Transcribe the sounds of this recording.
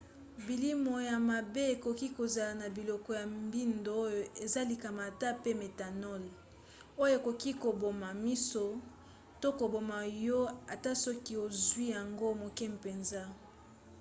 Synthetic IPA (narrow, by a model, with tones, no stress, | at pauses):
bi˨li˦mo˨ja˨ma˨be˦e˨ko˨ki˦ko˨za˨la˨na˨bi˨lɔ˨kɔ˨ja˨mbi˦ndo˨o˦jo˨e˨za˦li˨ka˨ma˨ta˦pe˦me˨ta˨nɔ˦l | o˦jo˦˨e˨ko˨ki˦ko˨bo˨ma˨mi˦so˨ | to˦ko˨bo˨ma˨jɔ˦a˨ta˦sɔ˦ki˦o˨zwi˦ja˨ŋɡo˦mo˨kɛ˦m˨pe˨nza˦